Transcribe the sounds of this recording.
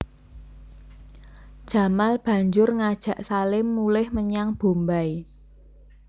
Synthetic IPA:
d̥ʒ̥ä̤malb̥ä̤ɲd͡ʒʊrŋad̥ʒ̥ä̤ʔsalɪmːulɪhməɲaŋb̥o̤mbai

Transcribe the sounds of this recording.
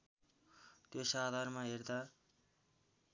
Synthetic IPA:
t̪esad̪ʱarmaɦerd̪a

